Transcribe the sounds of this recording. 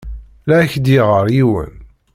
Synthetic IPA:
læçd̪iʁəɾˤiwə̰n

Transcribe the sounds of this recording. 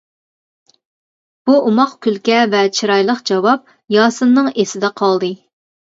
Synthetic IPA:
b̥uʔumɑχkʲylkʲɛvɛt͡ʃʰiɾɑjlˠəqd͡ʒɑwɑp̚ | jɑːsɨnːɨŋesɪd̪ɛqʰɑlˠd̪ɨ

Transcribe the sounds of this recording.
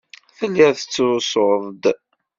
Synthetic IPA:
θəlːiθə̥t͡sːsoðˤd̪

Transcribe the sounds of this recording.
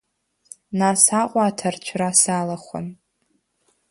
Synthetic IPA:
nasaqʷʼaːtʰart͡ʃʷʰrasalaχʷa̰n

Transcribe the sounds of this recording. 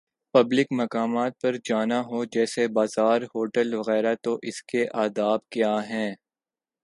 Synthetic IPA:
pɐblɪkmɐkaːmaːt̪̚pɐɾd͡ʒaːnaɦod͡ʒɛːsebaːzaːɾhoːʈəlʋɐɣɛːɾat̪oʔɪskeʔaːd̪aːbkjaːɦɛ̃ː

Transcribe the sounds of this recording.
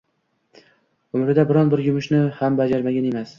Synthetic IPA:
ʊmɾɪd̪abɪɾɒnbɪɾjʊmɪʃnɪhambad͡ʒaɾmaɡʲane̞mas

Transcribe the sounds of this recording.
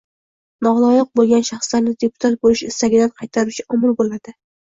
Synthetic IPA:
nɒʁlˠɒjɪq̚bolˠɡʲanʃaχslaɾnɪd̪e̞pʰʊ̥t̪ʰat̪̚bolɪʃɪst̪aɡʲɪd̪anqʰɑjt̪ʰaɾut͡ʃʰɪɒmɪlˠbolad̪̥ɪ

